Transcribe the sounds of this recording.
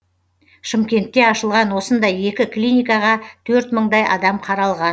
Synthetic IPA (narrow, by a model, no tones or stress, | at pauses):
ʃɪmkʲe̞nt̪ːe̞ɑʃəlˠʁɑnwo̞sənd̪ɑje̞kʲɪklʲijnʲijkɑʁɑt̪ʰɵɾt̪məɴd̪ɑjʔɑ̰d̪ɑmqʰɑɾɑlˠʁɑn